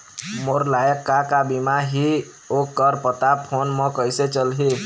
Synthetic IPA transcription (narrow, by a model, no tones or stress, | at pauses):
moɾlajəkːakabimaɦi | okːəɾpət̪apʰonmɔkəjset͡ʃəlɦe